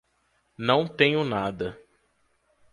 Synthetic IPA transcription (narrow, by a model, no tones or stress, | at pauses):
nɐ̃w̃t̪ẽɲʊnad̪ɐ